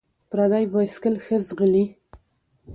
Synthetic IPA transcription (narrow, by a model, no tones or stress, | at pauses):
pɾad̪ajbɑjskəlxəzɣəli